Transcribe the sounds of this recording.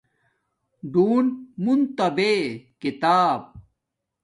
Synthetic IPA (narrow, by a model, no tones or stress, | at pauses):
ɖuːnmunt̪ɐbekit̪aːb̚